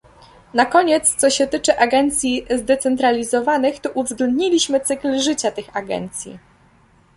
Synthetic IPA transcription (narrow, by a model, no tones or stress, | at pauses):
nakɔɲɛt̪st̪sɔɕɛt̪ɘt͡ʂɘʔaɡɛnt̪sʲjizd̪ɛt̪sɛnt̪ɾalʲizɔvanɘxt̪ɔʔuvzɡlɛnd̪ɲilʲiɕmɘt̪sɘklʐɘt͡ɕat̪ɘxaɡɛ̰nt̪sʲjḭ